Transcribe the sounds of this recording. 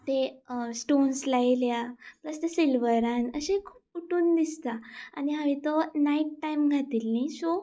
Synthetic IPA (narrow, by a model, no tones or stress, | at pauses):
t̪esʈonslajljapləst̪esilʋəɾãnəɕẽkʰu̥ːp̚uʈuːnd̪ist̪aa̰niɦaʋit̪ɔnaiʈʈːajmɡʱat̪iːlniso